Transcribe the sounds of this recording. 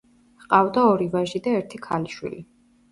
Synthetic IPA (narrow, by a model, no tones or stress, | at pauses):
qʼavd̪aɔɾivaʒid̪aɛɾt̪ʰikʰaliʃwḭli